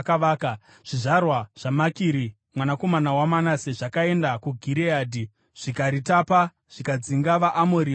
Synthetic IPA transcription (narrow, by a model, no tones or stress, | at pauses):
kaʋaːka | ʐ̥iʐarwaʐ̥amakiːɾi | mwanako̞manawamanase̞ʐakae̞ndakuɡʱiɾeaːdʱi | ʐ̥ikaɾitapa | ʐ̥ikad͡ziŋɡaʋaʔːmoɾi